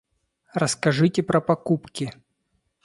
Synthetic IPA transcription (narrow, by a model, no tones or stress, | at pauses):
rəskɐʐɨtʲɪpɾɐpɐkupkʲɪ